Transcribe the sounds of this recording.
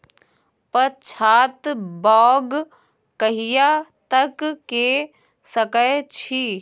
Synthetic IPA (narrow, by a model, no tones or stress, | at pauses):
pət͡ʃʰaːt̪bɔːɡ | kəɦijat̪ɐkːe | səkət͡ʃʰiː